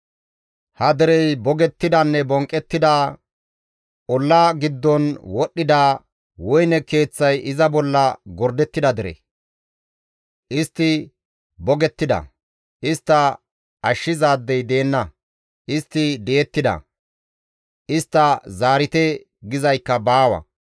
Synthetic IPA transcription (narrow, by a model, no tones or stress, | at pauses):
hɐd̪ɛɾɛjbɔɡɛt̪ːɪd̪ɐnːɛbɔŋkʼːɛt̪ːɪd̪aː | ʔɔlːaɡɪd̪ːɔnwɔɗːɪd̪aː | wɔjnɛke̞ːt͡sːɐjʔɪzɐbɔlːɐɡɔɾd̪ɛt̪ːɪd̪ɐd̪ɪɾɛ̰ | ʔɪst̪ːɪ | bɔɡɛt̪ːɪd̪ɐ̰ | ʔɪst̪ːɐ | ɐʃːɪzaːd̪ːɛjd̪e̞ːnːɐ | ʔɪst̪ːɪd̪ɛjːt̪ːɪd̪ɐ̰ | ʔɪst̪ːɐzaːɾɪt̪ɛ | ɡɪzɐjkːɐbaːwɐ̰